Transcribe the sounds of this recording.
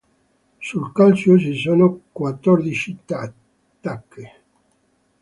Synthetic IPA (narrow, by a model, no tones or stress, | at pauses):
sulkalt͡ʃos̬isoːnokwat̪ːɔrd̪it͡ʃit̪a | t̪ːakʰːe